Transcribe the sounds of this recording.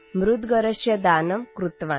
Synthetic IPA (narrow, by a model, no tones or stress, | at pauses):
mɾud̪ɡɐɾɐʃjɐd̪aːnɐmkɾut̪ʋaː